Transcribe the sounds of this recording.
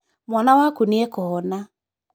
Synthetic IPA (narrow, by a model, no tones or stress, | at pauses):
mwanawakuniekɔɔna